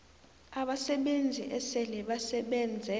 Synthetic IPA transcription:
aɓasɛɓend͡zʱḭʔɛsɛlɛɓasɛɓɛːnd͡zʱɛ

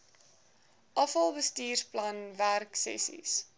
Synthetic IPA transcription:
ʔɐfɐlˠbəstiːrsplɐnværksɛ̰sḭs

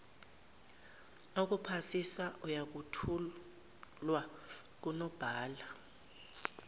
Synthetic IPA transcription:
ok̬upʰasisaʔujak̬utʰu | lwa | k̬unɔb̥ʱaːla

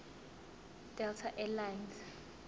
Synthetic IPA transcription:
d̥ɛltʰaʔɛlajns

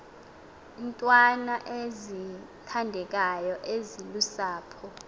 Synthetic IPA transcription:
ntʼwanaʔezi | tʰandʱɛk̬ʼajɔʔezilusaːpʰɔ

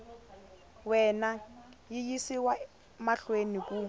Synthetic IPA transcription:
wɛnajɪjisiwa | maɬwenikʼu

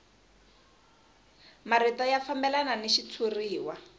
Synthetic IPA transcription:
maritajafambɛlananiʃit͡sʰuriːwa

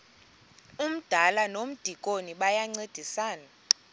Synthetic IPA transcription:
um̩d̥ʱalanom̩d̥ʱikʼoniɓajaŋ͡ǀed̥ʱisaːna

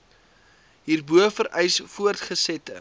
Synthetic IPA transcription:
ɦiːrbuəfəɾɛjsfuərtχəsɛtə̰

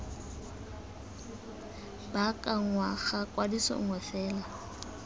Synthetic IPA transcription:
bakʼaŋwaɣakʼwadisɔ̰ŋwɛfɛːla

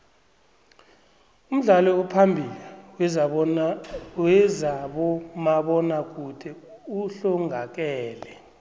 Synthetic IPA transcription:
um̩ɮalɔupʰambʱiliwɛ | wɛzaɓɔmaɓɔnak̬ʼudʰʱɛ | uɬɔŋʱak̬ɛːlɛ

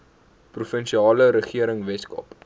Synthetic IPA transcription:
prufənʃiɑːləɾəχiəɾəŋvɛskɐ̰p

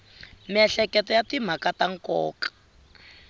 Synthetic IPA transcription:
miɛɬɛkɛtɔjatim̤akataŋ̩kɔ̰ːkḁ

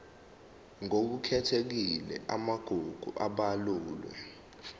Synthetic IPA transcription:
ŋok̬ukʰɛtʰek̬ilɛ̰ʔamaɡ̥ʱuɡ̥ʱuʔaɓaluːlwɛ̰

